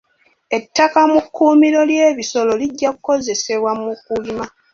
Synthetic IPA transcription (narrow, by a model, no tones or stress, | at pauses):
e̞tːakamukːuːmiɾo̞lje̞ːβiso̞lo̞liɟːakuko̞ze̞se̞βwamukulima